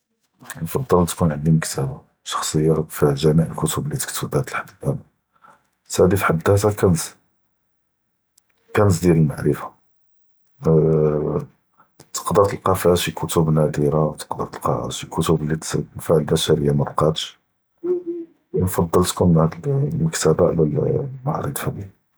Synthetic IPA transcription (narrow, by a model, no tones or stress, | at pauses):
nfɑd̪ˤːəlt̪kunʕənd̪iməkt̪æba | ʃɑ̥xsˤəjːafiʒæmiʕəlkʊt̪ʊblit̪ə̥kt̪ubæht̪əlħad̪bæn | sæd̪ifħad̪æt̪akænt̪ | kænət̪̬d̪jæləlma̰ʕɾəfḁ | t̪ə̥qd̪ɑt̪əlqɑfihæʃikʰʊt̪ʊbnæd̪iɾawt̪ə̥qd̪ɑt̪əlqɑ̰ʕæ̰ʃikʊt̪ʊblːit̪nfaʕlbæʃæɾəjːamæbqɑt̪ʃ | nfɑd̪ˤːɑlt̪kʊmənhæd̪lməkt̪æbaʔlæl̰maʕɾə̰d̪ˤfæbi